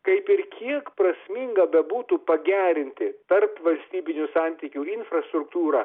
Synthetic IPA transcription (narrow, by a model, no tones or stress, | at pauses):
kɐɪpɪɾkʲiɛkpɾɐsʲmʲiŋɡɐbʲɛbuːt̪upɐɡʲæːɾʲɪnʲt̪ʲɪt̪ɐrpʋɐlʲsʲt̪ʲiːbʲɪnʲʊsɑnʲt̪ʲiːkʲuɪnfrɐst̪ɾʊkt̪uːɾɑː